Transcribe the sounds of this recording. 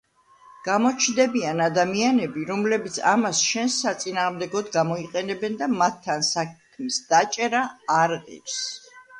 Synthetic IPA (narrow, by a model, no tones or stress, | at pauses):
ɡ̥amɔt͡ʃʰnd̪ɛbianad̪amianɛbiɾɔmlɛbit̪sʰa̰masʃɛnsːat̪sʼinaːʁmd̪ɛɡɔd̪ɡamɔiqʼɛnɛbɛnd̪amat̪ʰːansakʰmisd̪̥at͡ʃʼɛɾaːɾʁɛ̰ps